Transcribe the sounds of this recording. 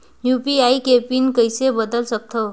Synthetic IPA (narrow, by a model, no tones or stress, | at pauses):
jupiaikepinkəjsebəd̪əlsək̚t̪ʰəw